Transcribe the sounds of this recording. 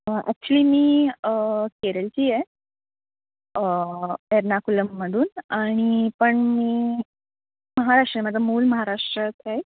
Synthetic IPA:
a̰k̚t͡ɕəliːmiːəkeɾəlt͡ɕiːje | əeɾnakuləmːəɽuːnaɽ̃ipəɳmiː | məɦaɾaʂʈɾəjmət̪əmuːlməɦaɾaʂʈɾət͡sʰaj

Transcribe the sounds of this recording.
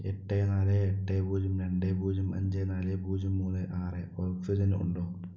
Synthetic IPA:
eʈːenaːleːʈːebuːd͡ʑɐmɾeɳɖebuːd͡ʑɐmɐ̰ɲd͡ʑenaːlebuːd͡ʑɐmːuːnɨʔaːreolfid͡ʑɐnṵɳɖoː

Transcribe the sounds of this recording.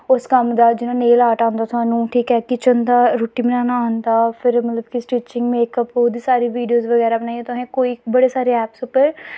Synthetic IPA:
ʊskəmd̪aːd͡ʒɪnãːneːlaːʈaːnd̪aːt̪ʊɦãːnũːʈʰiːkɛːkɪt͡ʃənd̪aːɾoːʈiːmənaːnaːɦʊnd̪aːpʰɪɾmət̪ləbkɪsʈiːt͡ʃɪ̃ŋɡmeːkəpoːd̪iːsaːɾiːʋiːɖijoːzʋəɡɛːɾaːbənaːiẽːt̪ʊɦẽːkoːiːbəɽeːsaːɾeːɛːpsʊpːəɾ

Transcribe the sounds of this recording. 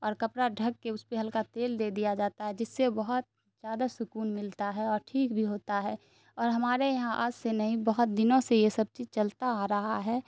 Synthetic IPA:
ɔːɾkɐpɾaɖʱəɡkeʊspeɦɐlkat̪eːld̪ed̪ijad͡ʒaːt̪aɦɛd͡ʒɪsːebəɦʊt̪̚ | zjaːd̪asʊkuːnmɪlt̪aɦɛɔːɾʈʰiːkbʱiɦoːt̪aɦɛː | ɔːɾɦɐmaːɾejɐɦãʔa̰ːd͡ʒsenəɦĩbəɦʊt̪̚d̪ɪnõsejesəb̚t͡ʃiːzt͡ʃəlt̪aɾɐɦaɦɛː

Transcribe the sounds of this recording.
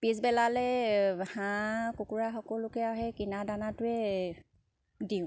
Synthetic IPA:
pizbɛlalɛhãkukuɹaxɔkɔlʊkɛaɦɛkinadanatʊɛ | diʊ̃

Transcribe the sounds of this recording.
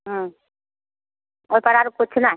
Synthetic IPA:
ɦ̩ | ojpaɾaɾokot͡ɕʰena

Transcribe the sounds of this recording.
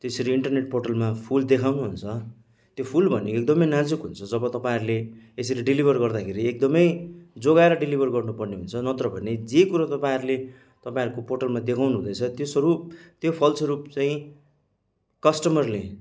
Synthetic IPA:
t̪esʌɾuiɳʈʌrneʈ̚pʰorʈʌlmapʰuld̪ekʰawnuɦunt͡sʰʌ | t̪jopʰulbʱʌnekek̚d̪ʌmʌjnad͡zukɦunt͡sʰʌd͡zʌbʌt̪ʌpãiɾuleeseleɖilibʱʌrɡʌrd̪akʰeɾiek̚d̪ʌmʌjd͡zoɡaeɾʌɖilibʱʌrɡʌrnupʌrneɦunt͡sʰʌnʌt̪ɾʌbʱʌned͡zekuɾʌt̪ʌpãiɾule | t̪ʌpãĩɾukoporʈʌlmad̪ekʰawnuɦũd̪ʌjt͡sʰʌt̪josʌɾut̪jopʰʌlt͡sʰʌɾupt͡saĩ | kʌsʈʌmʌrle

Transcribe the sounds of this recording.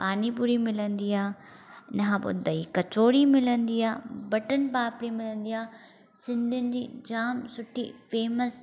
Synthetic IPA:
paːnipuɾimɪlə̃nd̪iːaː | nɐɦãpo̰d̪ɐikɐt͡ʃoːɽimɪlənd̪iːaːbɐʈənpaːpɽimɪlə̃nd̪iːaː | sɪ̃nd̪ʱʊnɪ̆d͡ʑḭːd͡ʑaːmsʊʈʰifeːməs

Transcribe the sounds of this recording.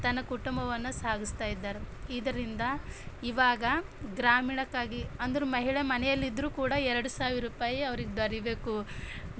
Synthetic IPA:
t̪ɐnːɐkuʈumbɐʋɐnːusaːɡist̪aːjid̪ːaːɾeiːd̪ɐɾind̪ɐiʋaːɡɐ | ɡɾaːmiːɳɐkːaːɡiɐnd̪ɐɾumɐɦiɭemɐnɛjɐlːid̪ːɾuːkuːɽɐɛɾɐɽusaːʋiɾuːpaːjiɐʋɐɾiɡed̪ɐɾibe̞ːku

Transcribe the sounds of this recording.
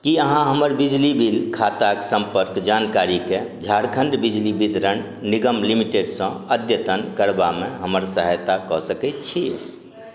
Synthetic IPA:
kiəɦãɦəməɾbid͡ʒlibʱilkʰat̪aksə̃mpəɾkd͡ʒankaɾiked͡ʒʱaɾkʰə̃ɳɖbid͡ʒlibit̪ɾən | niɡəmlimiʈeɖsə̃əd̪jət̪ənkəɾbamẽɦəməɾsəɦəjt̪akɔsəkɛt̪t͡ʃʰi

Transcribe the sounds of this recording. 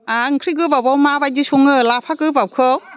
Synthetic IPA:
aɯŋkʰɾiɡɯbawbawmabajdisuŋɯlapʰakɯbawkʰɯw

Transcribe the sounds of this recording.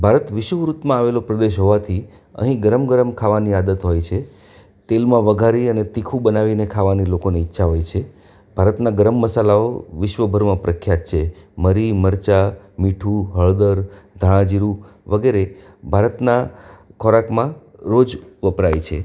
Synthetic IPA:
bʱaɾət̪ʋɪʃʋəɾut̪mãaʋelopɾəd̪eʃɦoʋat̪ʰi | ə̰ɦĩɡəɾəmɡəɾəmkʰaʋaniad̪ət̪ɦojt͡ʃʰe | t̪elmãʋəɡʱaɾiənet̪ikʰũbənaʋinekʰaʋanilokoneitːʃʰaɦojt͡ʃʰe | bʱaɾət̪naɡəɾəmːəsalaoʋɪʃʋəbʱəɾmãpɾəkʰjat̪t͡ʃʰeməɾiməɾt͡ʃa | miʈʰuɦəɭd̪əɾd̪ʱəɭ̃ãd͡ʒiɾu | ʋəɡeɾe | bʱaɾət̪nakʰɔɾakmãɾod͡ʒʋəpɾajt͡ʃʰe

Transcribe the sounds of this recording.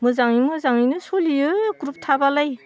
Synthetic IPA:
mɯzaŋimɯzaŋinɯsoliɯɡɾup̚tʰabalaj

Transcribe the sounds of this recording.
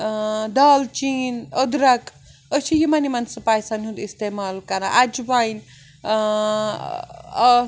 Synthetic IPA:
d̪aːlt͡ʃinəd̪ɾɐk | əsʰijimanimɐnsɐpaːjsanɦund̪ist̪emaːlkɐɾaʔad͡ʒbajn

